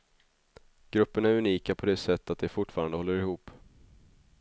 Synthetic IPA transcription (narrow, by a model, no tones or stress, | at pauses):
ɡ̥ɾɵpːəɳaæɾɵniːkapʰɔd̪eːsɛt̪ːat̪̚d̪ɛfʊʈːfɑːɾand̪əhɔlːəɾɪhuːp